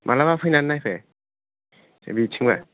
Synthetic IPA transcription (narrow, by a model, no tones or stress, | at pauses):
mʔalabapʰɯjnanːajpʰe | sḛbitʰiŋba